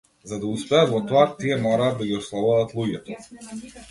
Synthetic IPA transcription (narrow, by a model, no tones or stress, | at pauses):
zad̪auspɛat̪vɔt̪ɔat̪iɛmɔɾaːd̪aɡiɔslˠavuvat̪lˠuɟɛt̪ɔ